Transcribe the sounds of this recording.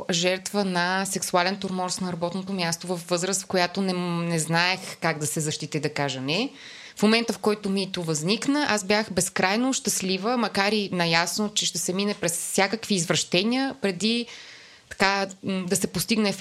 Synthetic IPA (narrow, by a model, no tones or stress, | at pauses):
ʒɛɾt̪vənɐsɛksualɛnt̪oɾmɔɾst̪nɐɾɐbɔt̪not̪omʲjast̪ovɐfvɤzɾəst̪fkojat̪onɛnɛznaɛxkaɡd̪ɐsɛzɐʃt̪it̪ɛd̪ɐkaʒənɛ | fmomɛnt̪əfkɔjt̪omit̪ovɐzniknəʔasbjaxbɛskɾajnoʃt̪ɐslivəmɐkaɾinɐjasnot͡ʃɛʃt̪ɛsɛminɛpɾɛsfsʲjakəkviːzvɾɐʃt̪ɛnʲiəpɾɛd̪i | t̪ɐ̥kad̪ɐsɛpost̪iɡnɛ